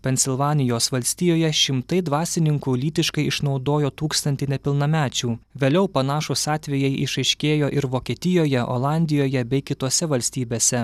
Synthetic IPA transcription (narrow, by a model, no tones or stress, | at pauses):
pʲɛnʲsʲɪlˠʋɑːnʲɪjoːsʋɐlʲsʲt̪ʲiːjoːjɛʃʲɪmt̪ɐɪd̪ʋɑːsʲɪnʲɪŋkuːlʲiːt̪ʲɪʃkɐɪɪʃnɒʊd̪oːjoːt̪uːkst̪ɐnʲt̪ʲɪnʲɛpʲɪlˠnɐmʲæːt͡ʃʲuːʋʲeːlʲɛʊpɐnɑːʃʊsɑːt̪ʲʋʲɛjɛɪʔɪ̰ʃɐɪʃʲkʲeːjoːʔɪɾʋoːkʲiːt̪ʲɪjoːjɛʔo̰lˠɑnʲd̪ʲɪjoːjɛbʲɛɪkʲɪt̪oːsʲɛʋɐlʲsʲt̪ʲiːbʲeːsʲɛ